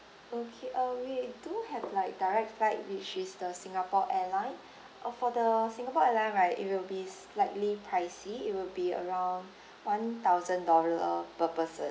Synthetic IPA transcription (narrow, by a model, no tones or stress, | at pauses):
okʰeʔʌwiduhɛvlaɪk̚daɪɹɛk̚tflaɪt̚wit͡ʃisdəsĩŋapɔʔɛlãɪ̃n | ʔfɔdəsĩŋapɔɛlãɪ̃nɹaɪtḭt̚wilbis | laɪtlipʰɹaɪsiit̚wilbiə̰ɹãw̃nd | wãnt̪aʊzə̃ndɔləəpəpəsə